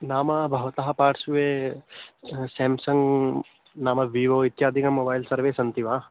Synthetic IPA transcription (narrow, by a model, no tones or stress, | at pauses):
naːmɐbʱɐʋɐt̪ɐɦɐpaːʈsuʋe | seːmsɐŋɡ | naːmɐʋiːʋoːit̪jaːd̪ʱikɐmobaːjilsɐɾʋeːsɐnt̪iʋaː